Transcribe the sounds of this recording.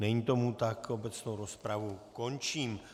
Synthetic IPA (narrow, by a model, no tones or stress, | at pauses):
nɛɲit̪o̞mut̪ako̞bɛt͡snowɾospɾavuko̞nt͡ʃiːm